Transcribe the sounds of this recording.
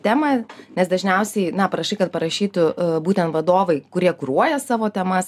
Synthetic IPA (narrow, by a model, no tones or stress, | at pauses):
t̪ʲæːmɐnʲɛsd̪ɐʒʲnʲɛʊsʲɛɪnɐpɐɾɐʃɐɪkɐt̪̚pɐɾɐʃʲiːt̪ʊbuːt̪ʲɛnt̪ʋɐd̪oːʋɐɪkʊɾʲiɛkʊɾuɔjɛsɑːʋoːt̪ʲɛmɐs